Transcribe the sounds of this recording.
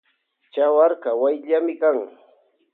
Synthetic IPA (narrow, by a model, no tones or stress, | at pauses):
t͡ʃawaɾkawajʎamɪkaŋ